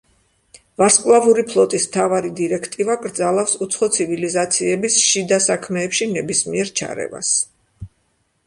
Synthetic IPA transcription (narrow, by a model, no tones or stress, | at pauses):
vaskʼlˠavuɾipʰlˠɔt̪ʼismt̪ʰavaɾid̪iɾɛkʰt̪ʼivaɡʼɾd̪zalˠafsut̪sʰχɔt̪sʰivilizat̪sʰiɛbisʃid̪asakʰmɛːpʃinɛbismiɛɾt͡ʃʰa̰ɾɛ̰va̰s